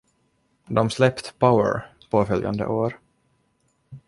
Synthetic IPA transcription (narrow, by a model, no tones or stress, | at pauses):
d̪ɔmslɛpt̪pʰaʊə̰ɹpʰoːfœlja̰nd̪ə̰ʔoːɾ